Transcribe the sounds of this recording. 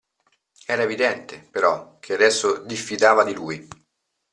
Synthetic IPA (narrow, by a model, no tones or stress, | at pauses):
ɛːɾaevid̪ɛnt̪epeɾɔk̟ʰead̪ɛsːod̪ifːit̪aːvad̪iluːj